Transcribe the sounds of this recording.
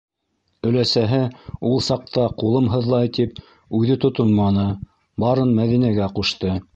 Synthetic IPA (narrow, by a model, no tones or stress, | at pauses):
ɵ̆læsæɦɘulˠsɑq̚t̪ɑqulˠɤmɦɤ̆ðlˠɑjt̪ip̚ | ʉðɘt̪ŏt̪onmɑnɤ | bɑɾɤnmæðinæɡæquʃt̪ɤ